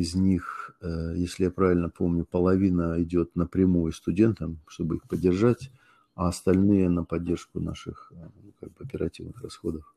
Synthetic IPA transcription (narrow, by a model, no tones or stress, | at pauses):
ɪzʲnʲixəjesʲlʲɪjapɾavʲɪlʲnəpo̞mnʲʊpəlˠɐvʲinəɪdʲo̞t̪nəpɾʲɪmujʊst̪ʊdʲe̞nt̪əmʂt̪o̞bɨixpədʲːɪrʐatʲ | ɐɐst̪ɐlʲnɨjənəpɐdʲːe̞rʂkʊna̰ʂɨxuka̰ɡ̚bɨɐpʲɪɾɐ̰tʲivnɨxrɐsxo̞d̪əf